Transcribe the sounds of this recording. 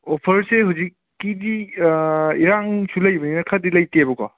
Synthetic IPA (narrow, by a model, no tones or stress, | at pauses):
opʰɐɾseɦuzikːidi | iɾaŋsulɐjbɐninɐkʰadilɐjtiabɐkɔ